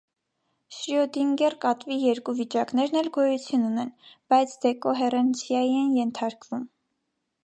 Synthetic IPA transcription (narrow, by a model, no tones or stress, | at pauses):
ʃɾiɔd̪iŋɡɛrkɑt̪vijɛɾkuvit͡ʃɑknɛɾnɛlɡɔjut͡sʰjununɛnb̥ɑjt͡sʰd̪ɛkɔɦɛrɛnt͡sʰjɑjiɛnjɛnt̪ʰɑɾkvum